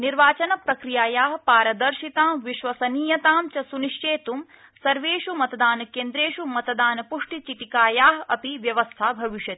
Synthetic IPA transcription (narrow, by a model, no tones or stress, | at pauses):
niɾʋaːt͡ʃɐnɐpɾɐkɾijaːjaːɦɐpaːɾɐd̪ɐɾʃit̪aːmʋiʃʋɐsɐniːjɐt̪aːmt͡ʃɐsuniʂt͡ʃeːt̪um | sɐɾʋeːʃumɐt̪ɐd̪aːnɐkeːnd̪ɾeːʃumɐt̪ɐd̪aːnɐpuʂʈit͡ʃiʈikaːjaːɦɐɐpiʋjɐʋɐst̪ʰaːbʱɐʋiʃjɐt̪i̥